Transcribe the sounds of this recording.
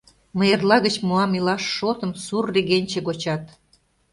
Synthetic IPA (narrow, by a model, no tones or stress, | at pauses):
məjerlɑɣət͡ɕmuɑmilɑʃːot̪ə̆msurːeɣenʲt͡ɕĕɣot͡ɕɑt̪